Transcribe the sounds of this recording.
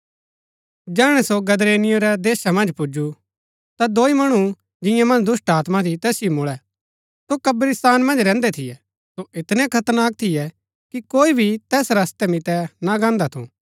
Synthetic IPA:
d͡ʒɛːɽ̃ɛsoɡɐd̪ɾeːnɪjoɾɛd̪eːʃamɐ̃nd͡ʒpʊd͡ʒu | t̪ad̪oːimɐɽ̃u | d͡ʒɪ̃jãmɐ̃nd͡ʒd̪ʊsʈaːt̪mat̪ʰit̪ɛːsɪjomʊɭɛ | sokɐbɾist̪aːnmɐ̃nd͡ʒɾɛ̃ːnd̪ɛt̪ʰɪjɛ | soʔɪt̪nɛ̃kʰɐt̪əɾnaːk̚t̪ʰɪjɛ | kikoːibʱit̪ɛːsɾɐst̪ɛmɪt̪ɛnaɡãːnd̪at̪ʰṵ̃

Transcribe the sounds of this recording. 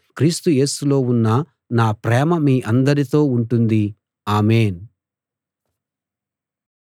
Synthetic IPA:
kɾiːst̪uje̞ːsulo̞ːunːɐ | naːpɾɛːmɐmiːʔɐnd̪ɐɾit̪o̞ːuɳʈund̪i | aːme̞ːn

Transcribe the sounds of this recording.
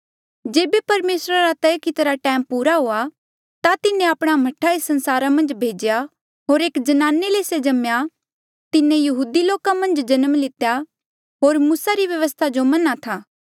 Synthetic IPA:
d͡ʒeːbepɐɾmeːsɾaɾat̪ɛkɪt̪ɾaʈɛ̃ːmpuːɾaɦoːa | t̪at̪ɪnẽaːpɽ̃amɐʈʰːaisɐ̃nsaːɾamɐ̃nd͡ʒbʱeːd͡ʒja | ɦoːɾeːkd͡ʒɐnaːnːeleːsed͡ʒɐmja | t̪ɪnẽjɐɦuːd̪iloːkamɐ̃nd͡ʒd͡ʒɐnəmlɪt̪ja | ɦoːɾmuːsaɾiʋjɐʋəst̪ʰad͡ʒomɐnat̪ʰaː

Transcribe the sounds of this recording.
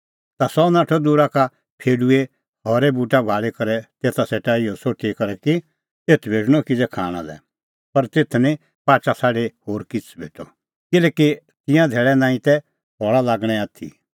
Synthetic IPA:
t̪asɔnaːʈʰɔd̪uːɾaka | pʰeːɖue | ɦɔːɾɛbuːʈabʱaːɭekɐɾɛt̪eːt̪ʰaseːʈaɪjosoːʈʰikɐɾɛki | eːt̪ʰbʱeːʈɽ̃ɔkid͡zɛkʰaːɽ̃ã̰lɛ̰ | pɐɾt̪et̪ʰnĩ | paːt͡ʃasaːɖehoːɾkɪt͡sʰbʱeːʈɔ | kɪlɛːki | t̪ɪ̃jãd̪ʱeːɭɛnãːĩt̪ɛ | ɦɔːɭalaːɡɽ̃ɛaːt̪ʰḭ

